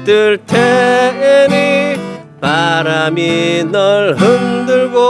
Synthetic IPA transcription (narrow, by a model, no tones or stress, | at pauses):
t̪ɯɭtʰeeni | paɾaminʌɭɦɯnd̪ɯɭɡo